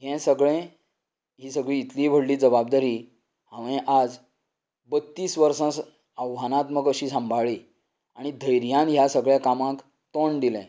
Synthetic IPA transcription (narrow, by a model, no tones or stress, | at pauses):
ɦɛ̃səɡɭɛ̃ | ɦiːsəɡɭiːt̪lĩbʱəɽliːd͡zəbab̚d̪aɾi | ɦãʋɛ̃ʔad͡z | bət̪ːiːsʋəɾsãs | əwɦanãt̪məɡəɕiːsãmbʱaɭi | aɽ̃id̪ʱəjɾjãnɦjasəɡɭjakamãk | t̪oɳd̪ilɛ̰̃